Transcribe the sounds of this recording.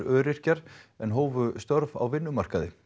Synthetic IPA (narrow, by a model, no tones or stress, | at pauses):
ɾœːɾɪr̥caɾ̥ɛnɦoːwvʏst̪œɾva̰wvɪnːʏmar̥kaðɪ̰